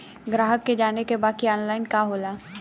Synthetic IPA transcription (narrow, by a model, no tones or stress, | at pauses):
ɡɾaːɦəkːed͡ʒaːnekebaːkiɔːnlaːɪnkaɦoːlaː